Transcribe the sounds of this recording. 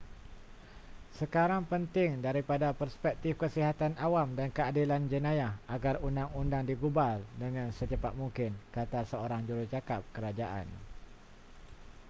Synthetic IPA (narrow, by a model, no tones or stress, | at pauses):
səkaɾaŋpənt̪ɪŋdaɾipadapərspɛk̚t̪ɪfkəsiɦat̪anʔawamdankəadiland͡ʒənãjahaɡarundaŋundaŋdiɡubaldəŋãnsət͡ʃəpat̪̚mũŋkɪnkat̪asəoɾaŋd͡ʒuɾʊt͡ʃakap̚kəɾad͡ʒaʔa̰n